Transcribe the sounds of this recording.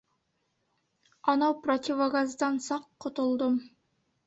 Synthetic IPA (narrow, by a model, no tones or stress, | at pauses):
ɑnɑwprot̪ʲɪvaɡɑzd̪ɑnsɑqːŏt̪ŏlˠd̪om